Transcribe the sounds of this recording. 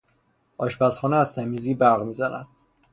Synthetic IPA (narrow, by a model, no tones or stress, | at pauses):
ɒːʃbæsxɒːnɛæzt̪ʰæmiːziːbæɾɣmiːzænæ̰nd̪̥